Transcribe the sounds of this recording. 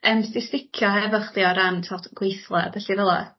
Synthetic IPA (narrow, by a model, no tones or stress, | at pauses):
əːmstɪstɪkʰjɔhɛvəχðjɔɾantʰɔtɡ̥wejθlˠɛ̰abɛɬivɛlˠɔ̰